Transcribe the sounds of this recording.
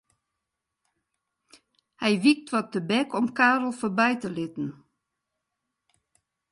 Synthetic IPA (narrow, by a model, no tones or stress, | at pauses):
hɛjʋik̚tʋɔt̚əbɛkʰɔmkaːrl̩ˠfobɛjtəlɪtn̩